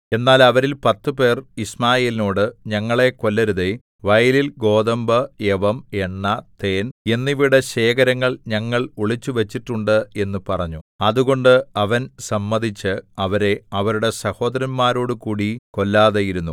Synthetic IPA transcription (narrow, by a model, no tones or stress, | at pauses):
e̞nːaːlɐʋɐɾilpɐt̪ːɨpe̞ːrismaːjeːlino̞ːɽɨɲɐŋːɐɭe̞ko̞lːɐɾuðe | ʋɐjlilɡo̞ːðɐmbɐeʋɐme̞ɳːɐt̪e̞ːne̞nːiʋiɽɐɕe̞ːkɐɾɐŋːɐɭɲɐŋːɐɭuɭit͡ɕːuʋet͡ɕːiʈːuɳɖɨe̞nːupɐrɐɲːuɐðuɣo̞ɳɖɨɐʋɐnsɐmːɐd̪it͡ɕːɨɐʋɐɾe̞ɐʋɐɾuɽe̞sɐho̞ːd̪ɐɾɐnmaːɾo̞ːɽɨkuːɽiko̞lːaːðɐjiɾunːu